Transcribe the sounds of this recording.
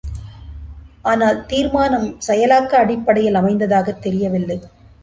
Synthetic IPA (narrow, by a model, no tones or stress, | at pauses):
ʔaːnaːlt̪iːɾmaːnɐmsɛjɐlaːkːɐːɽɪpːɐɽɐjɪlɐmɐɪnd̪ɐðaːɣɐt̪ːɛɾɪjɐʋɪlːɐɪ